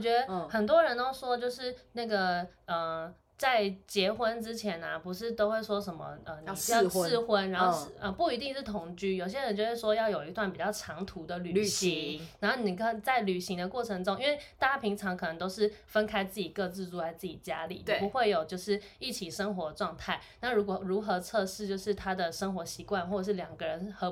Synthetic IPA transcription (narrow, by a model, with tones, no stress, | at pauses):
t͡ɕɥɛ˧˥d̪ə˧˦xə˨˩nt̪̬wɔ˥ɻə˧˥nt̪o˥ʊʂwɔ˥t͡ɕjo˥˧ʊʂɻ̩˥˩na˥˩ɡə˨˩ə˩ | t͡sa˥˩ɪt͡ɕjɛ˧˥xwə˥nʈ͡ʂɻ̩˥t͡ɕʰjɛ˧˥nɐ˧pu˧˥ʂɻ̩˥˩t̪o˥ʊxwe˥˩ɪʂwɔ˥ʂə˧˥nmə̰˧˦ə˩n̩˧˩˥xwə˥na˧˥n˥o˥˧ʂə˧pu˥˩i˧˥t̪i˥˧ŋʂɻ̩˥˩t̪ʰʊ˨˩ŋt͡ɕy˥jo˨˩ɕ̬jɛ˥ɻə˧˦nt͡ɕjo˥˧ʊʂwe˥˩ɪʂwɔ˥jɑ˥˩ʊjo˨˩ʊi˧˥t̪wa˥˩npi˨˩t͡ɕjɑ˥˩ʈ͡ʂʰɑ˧˥ŋt̪ʰu˧˥d̪ə˨ly˨y˨˩˨ɕi˧˦ŋna˧nxo˥˩ni˨˩kʰə˧˩˨t͡sa˥˩ɪly˨˩ɕi˧˥ŋd̪ə˧kwɔ˥˩ʈ͡ʂʰə˧˥ŋʈ͡ʂʊ˥ŋi˥nwe˥˧ɪa˥˧t͡ɕa˥pʰi˧˥ŋʈ͡ʂʰɑ˧˥ŋkʰɤ˨˩ə˧˥ŋt̪o˥ʊʂɻ̩˥˩fə˥nkʰa˥ɪt͡sɹ̩˥˩t͡ɕi˨˩kɤ˥˧t͡sɹ̩˥˧t͡su˥˩la˧˥ɪt͡sɹ̩˥˩t͡ɕi˨˩t͡ɕja̰˥lḭ˨˩˨pu˨˦˥xwe˥˩ɪjo˨˩ʊt͡ɕjo˥˧ʊʂɻ̩˥˩i˥˩t͡ɕʰi˨˩ʂə˥ŋxwɔ˧˥ʈ͡ʂwɑ˥˧ŋt̪ʰa˥˩ɪna˥˩ɻu˧˥kwɔ˨˩ɻu˧˥xɤ˧˥t͡sʰɤ˥˧ʂɻ̩˥˧t͡ɕjo˥˧ʊʂɻ̩˥˩t̪ʰa˥d̪ə˨ʂə˥ŋxwɔ˧˥ɕi˧˥kwa˥˧nxwɔ˥˩ə˨˩ʂɻ̩˥˩ljɑ˨˩ŋɡə˦ɻə˧˦nxɤ˧˥